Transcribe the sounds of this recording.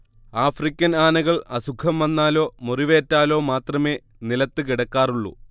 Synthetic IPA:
aːfrikʲːɐnaːnɐɣɐɭɐsukʰɐmʋɐnːaːlo̞ːmuriʋeːtːaːlo̞ːmaːt̪rɐme̞ː | nilɐt̪ːɨkiɽɐkːaːruɭːṵ

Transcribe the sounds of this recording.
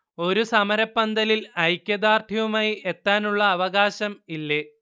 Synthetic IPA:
o̞ɾusɐmɐɾɐpːɐnd̪ɐlilɐjkʲːjɐd̪aːrt̪ʰiʋumaːjiʔet̪ːaːnuɭːɐːʋɐɣaːɕɐmilːe

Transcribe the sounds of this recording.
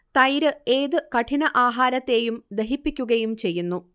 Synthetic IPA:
t̪ɐjɾɨe̞ːðɨkɐʈʰinɐʔaːɦaːɾɐt̪ːe̞ːjumd̪eɦipːikʲːuɣɐjumt͡ɕe̞jːunːu

